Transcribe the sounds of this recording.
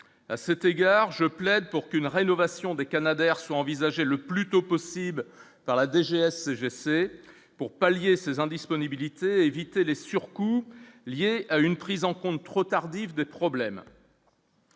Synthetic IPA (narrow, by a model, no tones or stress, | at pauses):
asɛt̪eɡaʁʒəplɛd̪̚puʁkynʁenɔvasjɔ̃d̪ekanad̪ɛʁswaɑ̃vizaʒeləplyt̪opɔsibl | paʁlad̪eʒeɛsːeʒese | puʁpaljesezɛ̃d̪ispɔnibilit̪eevit̪elesyʁkuljeaynpχizɑ̃kɔ̃t̪ːχot̪aʁd̪ivd̪epχɔblɛm